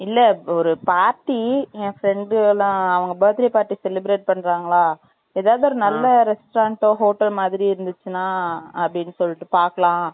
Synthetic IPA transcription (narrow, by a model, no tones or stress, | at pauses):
ɪlːɛɔɾɯpaːɾʈːiẽːfɾɛɳɖɯlãːɐʋɐŋɡɐbɐːɐt̪ɪɾipaːɾʈːisɛlɪbɾeːʈ̚pɐɳːɾaːŋɡɐɭaː | ɛːðaːʋðɯɔɾɯnɐlːɐɾɛsʈɾãːɳʈõːɦoːʈɐlmaːðɪɾiɪɾɯnd̪ɯt͡ʃːɯnaːɐpɐɽɪnːɯsɔlːɪʈːɯpaːɾkɐlãː